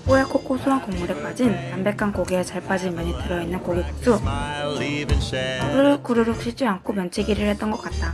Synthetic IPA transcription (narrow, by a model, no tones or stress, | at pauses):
pojekʰok͈ʰosʰuɦankoŋmuɾep͈ad͡ʑintambe̞k͈ankoɡeet͡ɕaɭp͈ad͡ʑimjʌɲitɯɾʌinːɯnkoɡikusʰu | bɯɾkuɾɯɾokɕ͈it͡ɕ͈iankʰomjʌnt͡ɕʰiɡiɾɯɭhe̞t͈̚ʌnɡʌk͈at̚t͈a